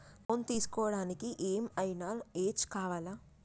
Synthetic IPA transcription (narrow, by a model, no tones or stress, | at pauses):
pont̪iːsu̥kɔːʋɐɽaːnikiʔeːmɐjinaːeːt͡ʃkaːʋaːlaː